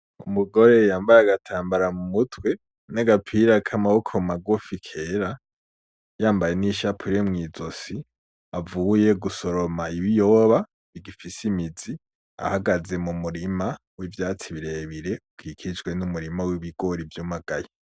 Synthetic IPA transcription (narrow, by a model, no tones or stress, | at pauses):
umuɡo̞ɾe̞jaːmbajaaɡatʰaːmbaɾamumutʰwe̞ | naɡapʰiɾakʰamahokʰomaɡofikʰeɾa | jaːmbaje̞niʃapʰuɾemŋiːzosi | avuːje̞ɡuso̞ɾomaiβijoβa | βiɡifisimizi | a̰haɡaze̞mumuɾima | wivjaːt͡siβiɾeβiɾe̞ukʰiːkʰid͡ʒɡwe̞numuɾimawiβiɡo̞ɾivjumaɡ̥aje